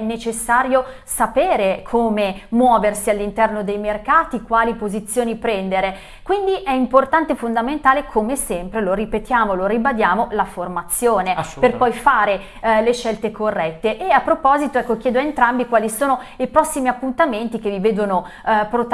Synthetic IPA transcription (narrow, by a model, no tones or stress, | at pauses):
nːet͡ʃesːaːɾjo | sapeːɾekʰoːmemwɔːversialːint̪ɛrnod̪ejmerkaːt̪ikwaːlipozit̪sːjoːnipɾɛnd̪eɾe | kwind̪iʔɛimport̪ant̪efond̪ament̪aːlekʰomesɛmpɾeloripet̪jaːmoloɾibad̪jaːmolaformat̪sːjoːneperpɔjfaːɾe | leʃːɛlt̪ekorːɛt̪ːeʔːapːɾopɔzit̪oɛkːokjɛːd̪oaent̪ɾambikwaːlisoːnoipɾɔsːimiapːunt̪ament̪ik̟eviveːd̪ono | pɾot̪